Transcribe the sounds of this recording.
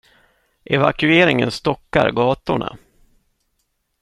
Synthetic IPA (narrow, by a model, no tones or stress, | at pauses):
ʔɛvakɵeːɾɪŋənst̪ɔkːaɾɡɑːt̪ʊɳa̰